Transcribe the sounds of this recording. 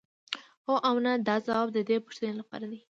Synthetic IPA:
hoʔawnad̪ɑzawɑb̚d̪əd̪epu̥ʃt̪ənelapɑ̰ɾad̪i

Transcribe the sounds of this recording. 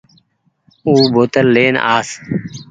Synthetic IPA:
uːboːt̪əlːeːnaːs

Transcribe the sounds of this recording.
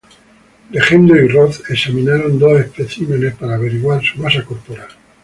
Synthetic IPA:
le̞xend̪oiroθesamĩnaɾo̞nd̪o̞sehpeθimenespaɾaːβ̞e̞ɾiɣwaɾsumasakolpoɾal

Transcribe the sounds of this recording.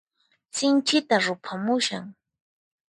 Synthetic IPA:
sɪnt͡ʃɪt̪aɾʊpʰamʊʃa̰ŋ

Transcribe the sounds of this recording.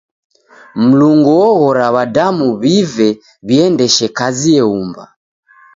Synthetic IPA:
m̩luŋɡɔɔɣɔɾaβadamuβivɛ | βiɛndɛʃɛkaziɛumba̰

